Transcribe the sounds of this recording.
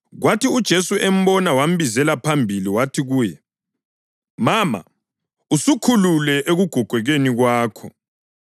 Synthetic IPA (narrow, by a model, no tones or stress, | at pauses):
ɣwatiud̥ʒ̥ʱesuʔem̩bɔnawam̩bizɛlapʰambʱiliwatʰiɣuːjɛ | maːma̰ | usukʰululɛʔeɣuɡ̥ʱɔɡ̥ʱwɛɣeniɣwaːkʰɔ